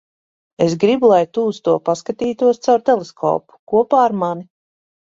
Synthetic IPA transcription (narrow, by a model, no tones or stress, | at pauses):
esɡɾibulˠajt̪uːst̪uɔpaskat̪iːt̪uɔst̪sawɾt̪ɛlˠeskʰɔ̰ːpu̥kuɔpaːɾmani